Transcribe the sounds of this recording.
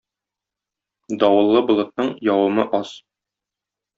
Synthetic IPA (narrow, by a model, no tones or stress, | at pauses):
d̪ɒwɤ̆lˠːɤbŏlˠɤ̆t̪̚nɤɴjɒwɤ̆mɤʔɒs